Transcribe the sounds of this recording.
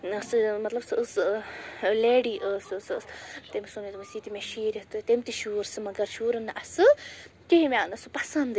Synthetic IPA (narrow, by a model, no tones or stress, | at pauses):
ɨsɨmɐt̪lɐbsɨəs | leːɖiʔəːsɨsɨst̪emisunit̪umɐsiːt̪imeʃiːɾʲit̪ɨt̪emʲt̪iʃuːɾsɨmɐɡɐɾʃuːɾɐnɨʔɐsɨkeɦimʲanɐsɨpɐsɐnd̪